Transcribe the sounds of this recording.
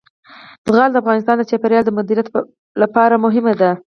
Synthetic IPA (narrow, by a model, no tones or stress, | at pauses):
d̪̥əɣɑld̪əafɣɑnɪs̬t̪ɑnd̪ət͡ʃapaɾjɑld̪əmʊd̪iɾijat̪ | lapɑɾamʊɦɪmad̪a